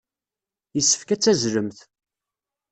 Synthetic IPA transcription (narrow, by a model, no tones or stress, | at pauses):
jəsːə̥fkæt͡sːæzləmθ